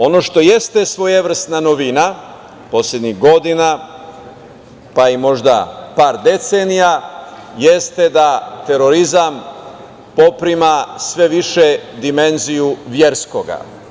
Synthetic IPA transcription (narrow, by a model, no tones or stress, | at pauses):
o̞no̞ʃt̪o̞je̞st̪e̞sʋo̞jeʋr̩st̪nanoʋina | po̞sʎʲe̞d̪ɲiɣɡo̞d̪ina | paimo̞ʒd̪a̰paːɾd̪e̞t̪senijajest̪e̞d̪at̪e̞ɾo̞ɾizam | po̞pɾimasʋe̞ʋiʃe̞d̪ime̞nzijuʋje̞ɾsko̞ɡa̰